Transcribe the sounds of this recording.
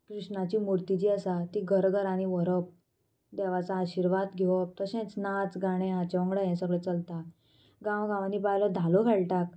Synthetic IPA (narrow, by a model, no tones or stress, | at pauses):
kɾiʂɳat͡ɕiːmuɾt̪it͡ɕiːəsat̪iːɡʱəɾɡʱəɾaɽ̃iʋəɾəp̚ | d̪ɛʋat͡saːɕiɾʋad̪ɡʱeʋɔp̚t̪əɕẽt͡snat͡sɡaɽ̃ẽɦat͡ɕɔ̃ŋɡɭəɦɛ̃səɡɭet͡səlt̪a | ɡãwɡãʋaniːbaɦjləd̪ʱalokʰeɭʈak̚